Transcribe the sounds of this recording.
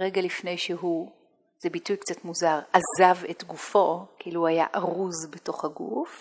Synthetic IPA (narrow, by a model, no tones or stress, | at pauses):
ʁeɡalifne̞jʃeɦu | z̥ebitujkt͡satmuzaʁazavetɡufo̞kiiluhuaja̰ʔaʁuzbeto̞χhaɡṵf